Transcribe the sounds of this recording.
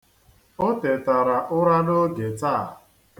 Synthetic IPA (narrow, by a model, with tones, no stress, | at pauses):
o˦te˨ta˨ɾa˨ʔʊ˦ɾa˦no˦ɡe˨ta˦˨